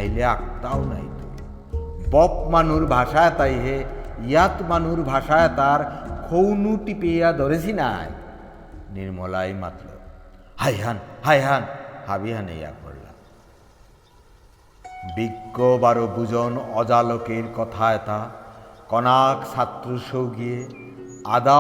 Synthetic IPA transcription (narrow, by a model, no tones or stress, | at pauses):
aɦjleak̚t̪awna̰jt̪u | bɔpmanuɾbʱaʃajet̪ajɦeijat̪manuɾbʱaʃaɛt̪aɾkʰownuʈipejad̪ɔɾesʰina̰j | niɾmɔlajma̰t̪lɔ̰hajɦanhajɦanhabiɦanḛja̰kpo̰ɽla̰ | biɡːobaɾobud͡ʑonɔd͡ʑalokeɾkɔt̪ʰaɛt̪akɔnaksat̪ːɾoʃowɡije | ad̪a